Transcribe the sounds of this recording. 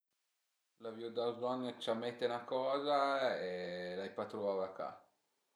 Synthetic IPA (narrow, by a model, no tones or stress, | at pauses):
lavjud̪azlɔŋt͡ʃamet̪ːenakɔːzaelajpat̪ɾuavaka̰